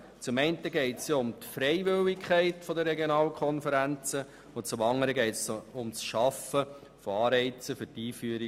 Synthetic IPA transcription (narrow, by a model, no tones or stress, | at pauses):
t͡sʊmɛɪntəɡɛɪtsjʊmtfɾɛɪʋɪlikʰχæɪtfɔd̪əɾɛɡjonɑːlkʰɔnfəɾænt͡sə | ʊt͡sʊmɑŋːəɾəɡɛɪtsʊmsʃɑfə | foɑːɾɛɪt͡səfɵɾtiːfyːəɾi